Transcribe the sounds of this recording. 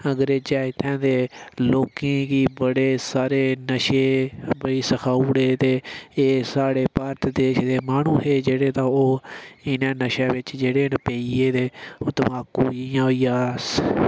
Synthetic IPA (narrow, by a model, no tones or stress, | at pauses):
əɡɾeːd͡ʒaːɪt̪ʰːɛ̃ːd̪eːloːkẽːkiːbəɽeːsaːɾeːnəʃeːbəɽiːsəkʰaːuːɽeːt̪eːeːsaːɽeːpaːɾt̪d̪eːʃd̪eːmaːnũːɦeːd͡ʒeːɽeːt̪ãːoːɪnãːnəʃãːʋɪt͡ʃd͡ʒeːɽeːnpeːiːeːd̪eːoːt̪əʋaːkuːijãːoijaːs